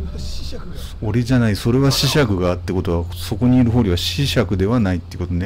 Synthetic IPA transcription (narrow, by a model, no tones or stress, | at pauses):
oɾʲiʑanaiso̞ɾe̞βaɕiɕakɯ̟ɡaːt̪ːeko̞t̪o̞βaso̞ko̞ɲ̟iiɾɯ̟ɦo̞ːɾʲiβaɕiɕakɯ̟d̪e̞βanait̪ːeiɯ̟ko̞t̪one̞